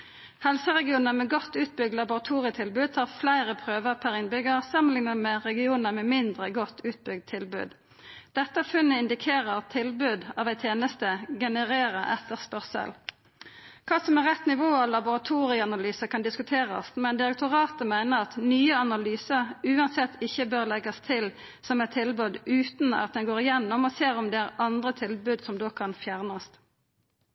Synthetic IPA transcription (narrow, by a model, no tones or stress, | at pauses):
hɛlsəʁɛɡɪuːnəmɛɡɔt̪ːʉːt̪̚bʏɡ̚d̪lɑbʊʁɑt̪ʰuːʁɪət̪ʰɪlbʉːd̪̚t̪ʰɑːʁflæɪʁəpʰʁøːʋəʁpʰæɾɪnbʏɡəʁsɑmənlɪŋənəmɛʁɛɡɪuːnəmɛmɪnd̪ʁəɡɔt̪ʰːʉːt̪̚bʏɡ̚d̪̚t̪ʰɪlbʉ̰ːd̪ | d̪̥ɛt̪ːəfʉnːəɪnd̪ɪkʰeːʁəʁt̪ʰɪlbʉːd̪ɑːʋæɪt̪ʰeːnəst̪əɡɛnəʁeːʁəʔɛt̪ːəʁspœʁsə̰l | kʰɑːsɔmɛʁɛt̪nɪʋoːɑlɑbʊʁɑt̪ʰuːʁɪəɑnɑlyːsəkʰɑnd̪ɪskʉt̪ʰeːʁɑ̰st̪mɛnd̪ɪʁɛk̚t̪ʰʊʁɑːt̪əmæɪnəʁɑt̪nyːəɑnɑlyːsəʁʉːɑnsɛt̪ʰːɪçːəbøːʁlɛɡɑst̪ʰɪl | sɔmɛɪt̪t̪ʰɪlbʉːd̪ʉːt̪nɑ̰t̪̚d̪ɛnɡoːʁɪjɛnːɔmoːseːʁɔmd̪ɛːæʁɑnd̪ʁət̪ʰɪlbʉːd̪sɔmd̪oːkʰɑnfjæʁnɑst̪